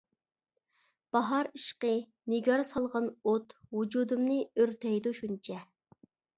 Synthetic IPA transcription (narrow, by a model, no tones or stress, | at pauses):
b̥ɑɦɑɾiʃqə | nɪɡʲɑɾsɑlˠʁɑnot̪wud͡ʒud̪umnɨøɾt̪ʰɛjd̪uʃunt͡ʃʰɛ